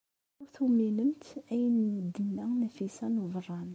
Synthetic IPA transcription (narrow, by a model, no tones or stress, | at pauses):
ʊɾθumːiləmt̪æjənd̪ːənːænæfisænuvərˤːɑn